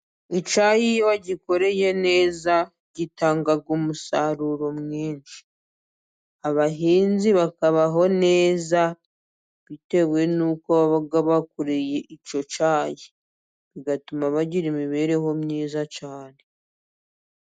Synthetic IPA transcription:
it͡ʃajijwaɟiko̞ɾe̞je̞ne̞ːza | ɟitaːŋɡaɡumusaɾuɾo̞mŋiːnʃi̥ | aβaɦiːnziβakaβaɦo̞ne̞ːza | βite̞βwe̞nuːkoβaβaɡaβakuɾeje̞ʔit͡ʃo̞t͡ʃaːji | βiɡatumaβaɟiɾimiβe̞ɾe̞ɦo̞mniːzat͡ʃaːne̥

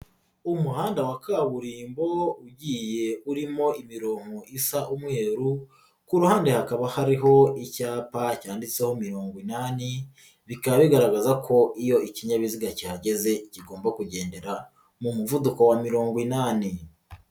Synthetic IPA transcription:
umuhaːndawakaβuɾiːmbo̞uɟiːje̞uɾimo̞imiɾo̞ːŋ̥oʔisaʔumŋe̞ːɾu | kuɾuhaːndehakaβahaɾiɦo̞icaːpacaːndit͡se̞ho̞miɾo̞ːŋɡwinani | βikaβaβiɡaɾaɡazakʰo̞ʔijo̞iciɲaβiziɡacihaɟe̞ze̞ciɡo̞ːmbakuɟe̞ːnde̞ɾa | mumuvuduko̞wamiɾo̞ːŋɡwinaːni

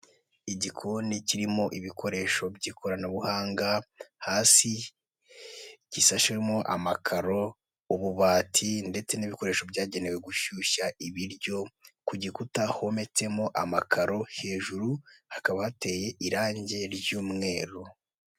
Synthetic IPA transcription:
iɟikʰoniciɾimo̞ʔiβikʰo̞ɾe̞ːʃo̞bɟiːkʰoɾanaβuhaːŋɡahaːsi | ɟ̥isaʃwemo̞ʔa̰makʰaɾo̞ | uβuβaːtʰinde̞t͡se̞niβiko̞ɾe̞ːʃo̞bɟaːɟe̞ne̞we̞ɡuʃuʃaiβiɾɟo̞kuɟikutahome̞t͡se̞mo̞ʔamakʰaɾo̞he̞ːʒuɾuhakaβahate̞ːje̞ʔiɾaːɲɟe̞ɾɟuːmŋe̞ːɾu

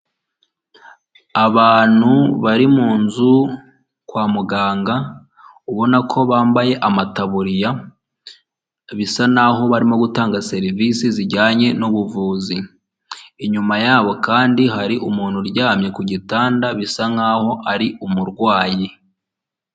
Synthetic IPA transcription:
aβaːn̥huβaɾimuːnzu | kwaːmuɡaːŋɡa | uβo̞nakʰo̞βaːmbaje̞ʔamataβuɾija | βisanaɦo̞βaɾimo̞ɡutaːŋɡase̞ɾivisiziɟaːɲe̞nuβuvuːzi | iɲumajaːβo̞kaːndiɦaɾiʔumuːnhuɾɟaːmɲe̞kuɟitaːndaβisaŋaːho̞ʔaɾiumuɾɡwaːji

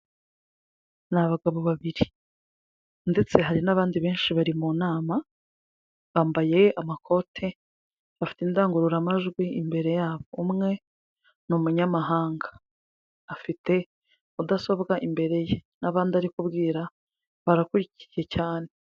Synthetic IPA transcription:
naβaɡaβo̞βaβiɾi | nde̞t͡se̞ɦaɾinaβaːndiβe̞ːnʃiβaɾimunaːma | βaːmbaje̞amakʰo̞tʰe̞ | βafi̥tindaːŋɡuɾuɾamaʒɡwiimbe̞ɾe̞jaːβo̞umŋe̞ | numuɲamaɦaːŋɡḁː | fite̞ | udaso̞bɡaʔimbe̞ɾe̞jenaβaːndiaɾikubɡiːɾa | βaɾakuɾici̥ɾje̞caːne̞

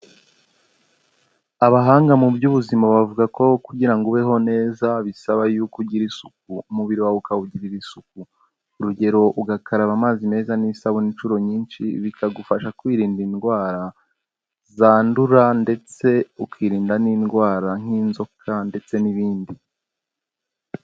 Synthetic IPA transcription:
aβaɦaːŋɡamubjuβuzimaβavuɡako̞kuɟiɾaŋɡuβe̞ɦo̞ne̞ːzaβisaβajukuɟiɾisuk̚umuβiɾiwaβukauɟiɾiɾisuk̚uː | ɾuɟe̞ɾo̞ʔuɡakʰaɾaβamaːzime̞ːzanisaβuniːnt͡ʃuɾo̞ɲiːnʃḭβikaɡufaʃakwiːɾiːndinɡwaːɾa | zaːnduɾande̞t͡se̞ukwiːɾiːndaniːnɡwaːɾaŋ̥iːnzo̞kʰande̞t͡se̞niβiːndi

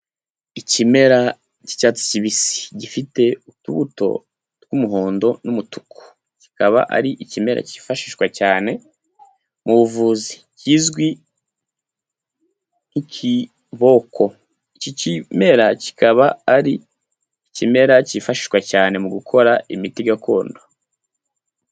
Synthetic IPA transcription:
icime̞ɾa | ci̥cat͡si̥ciβisi̥ɟifite̞utuβuto̞̰ | tɡumuɦo̞ːndo̞numutu̥kʰo̥ | ci̥kʰaβa̰ʔa̰ɾiʔicime̞ɾa̰ci̥faʃiʃɡwacaːne̞ | muβuvuːzi̥ | ciːzɡwi | nici | βo̞kʰo̞ | icocime̞ɾaci̥kaβaaɾiː | cime̞ɾacifaʃi̥ʃɡwacaːne̞muɡukʰo̞ɾaimitiɡakʰo̞ːndo

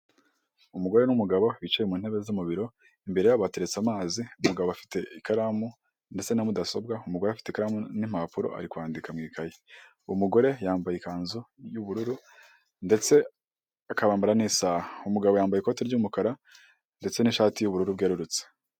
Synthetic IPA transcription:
umuɡo̞ɾe̞numuɡaβo̞βit͡ʃejemuːn̥e̞βezimuβiɾo̞ | imbe̞ɾe̞jaβate̞ɾe̞t͡samaːziumuɡaβoafi̥te̞ikaɾamu | nde̞t͡se̞namudaso̞b̚ɡaumuɡoɾeafi̥te̞ikaɾamunim̥apuɾo̞̰ʔa̰ɾikwaːndikamŋiːkʰaje | umuɡo̞ɾe̞jaːmbajikaːnzujuβuɾuɾu | nde̞t͡se̞ | akaβaːmbaɾanisaːhaumuɡaβo̞jaːmbajiko̞teɾɟuːmukaɾa | nde̞t͡se̞niʃaːtijuβuɾuɾubɡeɾuɾut͡se̥

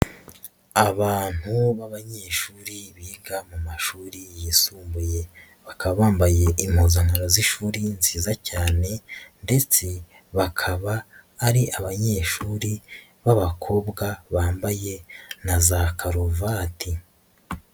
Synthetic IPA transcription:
aβaːn̥huβaβaɲe̞ːʃuːɾiβiːɡamumaʃuːɾijisuːmbuje̞ | βakaβaβaːmbaje̞ʔim̥hozaŋaɾoziʃuːɾinziːzacaːne̞nde̞t͡se̞ | βakʰaβaːɾiʔaβaɲe̞ːʃuːɾi | βaβakʰo̞bɡaβaːmbajenazakʰaɾovatʰi

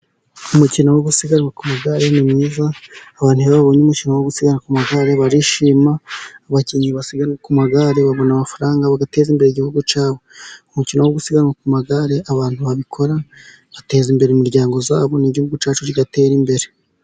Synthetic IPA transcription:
umucinowoɡusiɡanwakumaɡaɾe̞nimŋiːzaːβaːn̥hujaβaβo̞ɲumucinowoɡusiɡaɾakumaɡaɾe̞βaɾiʃiːmaːβaciɲiβasiɡaɾŋakumaɡaɾe̞βaβo̞namafaɾaːŋɡaβaɡate̞ːzimbe̞ɾeiɟihuɡut͡ʃaːβo̞umucinowoɡusiɡaɾakumaɡaɾe̞ʔaβaːn̥huβaβikʰo̞ɾa | βate̞ːzimbe̞ɾeimiɾɟaːŋɡo̞za̰ːβo̞niɟihuɡut͡ʃaːt͡ʃuɾiɡate̞ːɾimbe̞ɾe̞

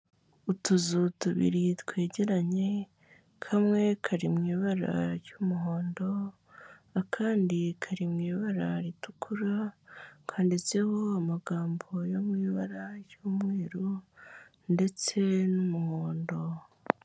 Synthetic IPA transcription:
utuzutuβḭɾitwe̞ːɟe̞ɾaɲe̞ | kʰamŋe̞kʰaɾimŋiːβaɾa̰ɾjuːmuɦo̞ːndo̞ː | kʰaːndikʰaɾimŋiːβaɾaɾitukʰuɾakʰaːndit͡se̞ho̞amaɡaːmbo̞jomŋiːβaɾaɾjuːmŋeːɾo | nde̞t͡se̞numuhoːndo̞

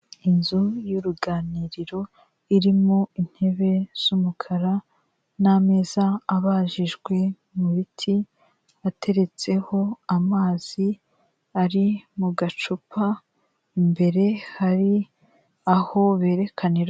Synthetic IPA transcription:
inzujuɾuɡaːniɾiɾo̞ | iɾimoin̥he̞βe̞z̥umukʰaɾa | name̞ːzaːβaːʒiʒɡwe̞ | muβitʰi | atʰe̞ɾe̞t͡se̞ho̞amaːz̥i | aɾimuɡat͡ʃupʰa | mbe̞ɾe̞haɾi | aho̞βe̞ːɾe̞kʰaniɾ

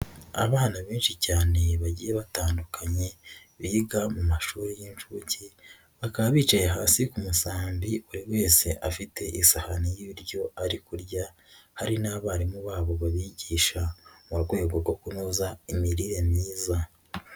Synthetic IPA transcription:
a̰βaːnaβiːnʃicaːne̞βaɟiːjeβataːndukʰaɲe̞ | βiɡamumaʃuːɾijinʃuci | βakaβaβiːt͡ʃajeɦaːsikumusaːmbiβuɾiwe̞ːse̞ʔafitʰe̞ʔisahanijiɾɟo̞aɾikuɾɟa | haɾinaβaːɾimuβaːβo̞βaβiɟiːʃamuɾɡwe̞ːɡoɡo̞kunuzaimiɾiɾe̞miːza

